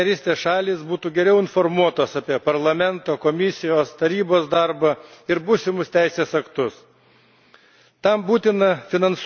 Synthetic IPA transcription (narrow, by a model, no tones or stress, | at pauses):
ɛɾʲiːsʲt̪ʲeːsʃɑːlʲiːsbuːt̪uːɡʲɛɾʲɛʊɪnfɔɾmuɔt̪oːsɐpʲiɛpɐɾlˠɐmʲɛnt̪oːkomʲɪsʲɪjoːst̪ɐɾʲiːboːsd̪ɑɾbɐɪɾbuːsʲɪmʊst̪ʲæɪsʲeːsɐkt̪ʊs | t̪ɐmbuːt̪ʲɪnɐfʲɪnɐns